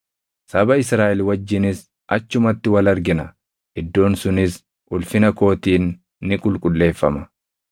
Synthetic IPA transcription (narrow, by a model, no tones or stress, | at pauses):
sɐbɐɪsɾaːʔɛlwɐd͡ʒːɪnɪs | ʔɐt͡ʃːʊmɐt̪ːɪwɐlɐɾɡɪnɐ | ʔɪd̪ːo̞ːnsʊnɪs | ʔʊlfɪnɐko̞ːt̪iːnː | ɪkʼʊlkʼʊlːe̞ːfːɐmɐ